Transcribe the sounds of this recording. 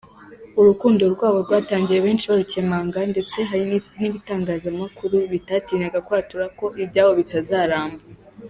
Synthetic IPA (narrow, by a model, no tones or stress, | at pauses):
uɾukuːndoɾɡwaːβo̞ɾɡwaːtaːɲɟije̞βe̞ːnt͡ʃiβaɾuce̞maːŋɡande̞t͡se̞ɦaɾiniβitaːŋɡaːzamakuɾuβitatiːnaɡakwaːtuɾako̞ʔibɟaːwo̞βitazaːɾaːmba